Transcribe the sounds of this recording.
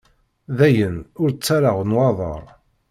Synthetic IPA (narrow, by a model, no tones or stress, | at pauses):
ðæjənʊɾt͡sːaɾaʁənwɑðˤə̰ɾˤ